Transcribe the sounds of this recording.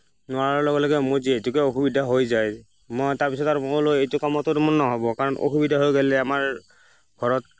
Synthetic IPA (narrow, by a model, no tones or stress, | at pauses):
nʊaɹaɔlɔɡɛlɔɡɛmʊɹzietukɛoxubidʱaɦojzaj | mɔjtaɹpisɔtaɹɔlojejtʊkɔmɔtʊtmɔnnɔɦɔbɔkaɹɔnʔo̰xubidʱaɦojɡɛlɛamaɹ | ɡʱɔɹɔt̚